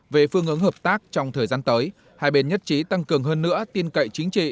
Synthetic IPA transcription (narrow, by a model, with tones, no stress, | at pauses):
ve˨˩fɨ˧əŋʔɨ˨˦əŋɦəː˨˩p̚t̪aː˦˥k̚t͡ɕɔ˧wŋ͡mt̪ʰəː˨˩jzaː˧nt̪əː˨˦j | haː˧˩jɓe˧˩nɲə˦˥t̚t͡ɕi˨˦t̪a˧ŋkɨ˨˩əŋɦəː˧nːɨ̰˧˥ət̪i˧ənkə̰˧˨jt͡ɕï˨˦ŋ̟t͡ɕḭ˧˨